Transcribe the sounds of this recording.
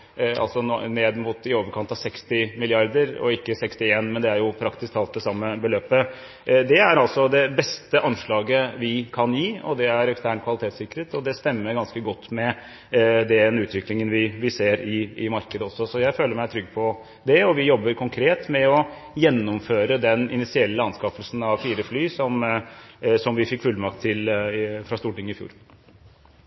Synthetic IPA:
ɑ̰lsɔnneːd̪mʊt̪ɪoːʋəɾkʰɑnt̪ɑʋsɛkst̪ɪmɪlɪɑɾd̪əɾɔ̰ɪkːəsɛkst̪ɪeːnmɛnd̪ɛæɾjʊpʰɾɑkt̪ɪsk̚t̪ʰɑlt̪̚d̪ɛsɑmːəbəløːpə | d̪ɛæɾɑlt̪sɔd̪ɛbɛst̪əʔɑnʂɭɑːɡəʋɪkʰɑnjiːɔ̰d̪ɛæɾɛkst̪ʰæːɳtkʰʋɑlɪt̪ʰeːt̪sɪkːəɾət̪ɔd̪ɛst̪ɛmːəɾɡɑnskəɡɔt̪ːmɛ | d̪ɛɛnʉːt̪ʰʋɪklɪŋənʋɪʋɪseːɾɪɪmɑɾkəd̪əɔsːɔsɔjæɪføːləɾmæɪt̪ʰɾʏɡːpʰɔ | d̪ɛɔʋɪjɔbːəɾkʰʊŋkʰɾeːt̪mɛɔ | jɛnːʊmføːɾəd̪ɛnɪ̰nɪsɪɛlːəɑnskɑfəlsn̩ɑʋfiːɾəflyːsɔm | sɔmʋɪfɪkːfʉlːmɑk̚t̪ʰːɪlfɾɑst̪uːʈɪŋːəɪfjṵːɾ

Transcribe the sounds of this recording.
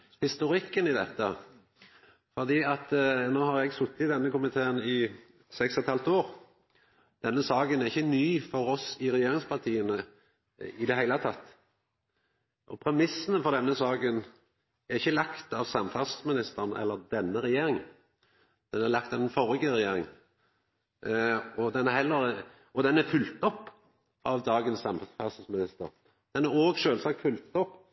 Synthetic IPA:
hɪst̪ʊɾɪkːənɪd̪ɛt̪ːə | fɔʁd̪iːɑt̪noːhɑɾɛɡsʊt̪ːɪt̪d̪ɛnːəkʊmɪt̪ʰeːənɪ | sɛksɛt̪hɑlt̪oːʁ | d̪̥ɛnːəsɑːɡənæʁɪçːənyːfɔɾɔsɪʁɛjeːɾɪŋspʰɑʁt̪ʰiːənə | ɪd̪ɛhæɪlət̪ʰɑt̪ː | ʔɔ̰pʰɾɛmɪsːənəfɔʁd̪ɛnːəsɑːɡən | æʁɪçːəlɑkt̪ɑʋsɑmfɑssmɪnɪst̪əʁnʔɛ̰lːəʁd̪ɛnːəɾɛjeːɾɪŋ | d̪̥ɛnælɑkt̪ɑʋ̪ɛnfɔɾɪɡəɾɛjeːɾɪŋ | ɔd̪ɛnæɾhɛlːəɾ | ɔd̪ɛnæfʉlt̪ɔpː | ɑʋd̪ɑːɡənsːɑmfɑssmɪnɪst̪ə̰ɾ | d̪̥ɛnæʁoːɡʃøːlsɑkt̪fʉlt̪ɔpː

